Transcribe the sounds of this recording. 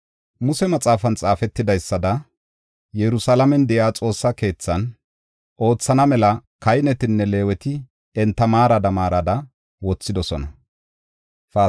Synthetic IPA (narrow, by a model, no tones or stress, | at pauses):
mʊsɛmɐt͡sʼaːfɐnt͡sʼaːfɛt̪ːɪd̪ɐjsːɐd̪ɐ | jɛɾʊsalɐmɛnd̪ɛjaːt͡sʼo̞ːsːɐke̞ːt͡sːɐn | ʔo̞ːt͡sːɐnɐmɛlɐkɐjnɛt̪ɪnːɛle̞ːwɛt̪ɪ | ɛnt̪ːɐmaːɾɐd̪ɐmaːɾɐd̪ɐ | wɔt͡sːɪd̪ɔsɔnɐ | fa